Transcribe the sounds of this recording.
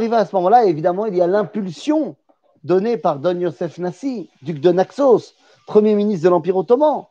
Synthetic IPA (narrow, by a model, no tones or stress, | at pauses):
ʁivẽasəmɔmɑ̃laevid̪amɑ̃ilialɛ̃pylsjɔ̃ | d̪ɔnepaʁd̪ɔnjɔsɛfnasid̪yk̚d̪ənaksos | pχəmjeminist̪d̪əlɑ̃piʁot̪ɔmɑ̃